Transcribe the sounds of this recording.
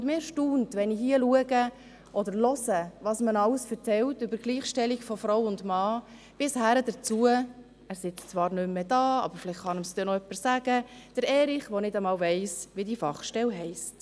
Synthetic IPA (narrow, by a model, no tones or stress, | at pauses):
ʊndmɪːɾʃtuːntʋɛniɦiəluəɡə | ʔɔdəɾlɔsəʋɑːsmənɑləsfəɾt͡sɛltʏbəɾɡliːχʃtɛliɡfɔfɾowʊndmɑː | b̥ɪshæɾəd̥ət͡suə | æːɾsɪt͡st͡sʋɑːɾnʏmːɛdɑːɑ̰bəɾfɪlɪχχɑnəmsd̥̪ɛnɔœpːəssæɡ̥əd̥əɾɛːɾɪχʋɔnɪdəmɑːlvɛɪsʋidifɑχʃtɛlɦɛɪst